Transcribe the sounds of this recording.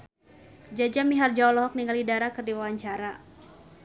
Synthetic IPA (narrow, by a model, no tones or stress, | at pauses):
d͡ʒad͡ʒamiɦard͡ʒaɔlɔɦɔk̚niŋɡalidaɾakɨrdiwawaɲt͡ʃaɾa